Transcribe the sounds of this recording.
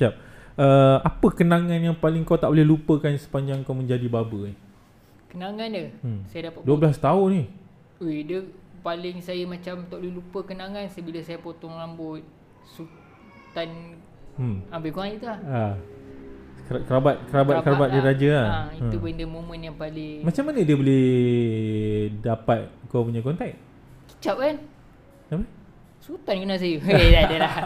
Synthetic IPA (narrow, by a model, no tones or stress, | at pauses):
ʃap̚ʔəapəkənaŋanjaŋpalɪŋkawt̪aʔbolɛhlupəkansə̥paɲd͡ʒaŋkawmə̃ɲd͡ʒadibabəi | kənaŋanəmsajadapat̪̚duəblast̪aʊnːi | edəpalɪŋsajəmãt͡ʃamt̪ɔʔlulupəkənaŋansəbiləsajapot̪ɔŋlambʊt̪̚ | su | t̪an | mambəkuanit̪ulaha | kkəɾabat̪̚kəɾabat̚kəɾabat̪̚diɾad͡ʒəaait̪upndəmomənjaŋpalɪŋmat͡ʃamːanədiəbolɛh | dapat̪̚kapuɲakɔnt̪ɛk̚ | ki̥t͡ʃaʔ̚kan | api | sut̪ankənas̬ajəeadəlah